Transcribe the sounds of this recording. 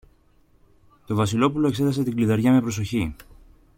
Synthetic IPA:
t̪o̞vɐsilo̞pulo̞e̞kse̞t̪ɐse̞t̪iŋɡliðeɾʝɐme̞pɾo̞so̞çi

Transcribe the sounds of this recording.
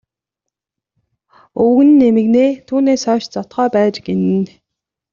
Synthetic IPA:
ɵwɣɘ̆nːemɘ̆ɣneːt̪ʰuːneːsœːʃt͡sɔt̪χœːpæːt͡ɕɡenɘ̆n

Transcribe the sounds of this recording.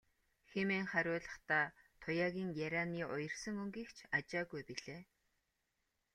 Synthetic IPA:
xemeːŋχæɾʲʊːɮə̆χt̪aːt̪ʰʊjaːɣʲiːŋjaɾʲaːniːʔʊjɞ̆r̥sə̆ŋɵŋɡiːkt͡ɕʰat͡ɕaːɣujpiɮeː

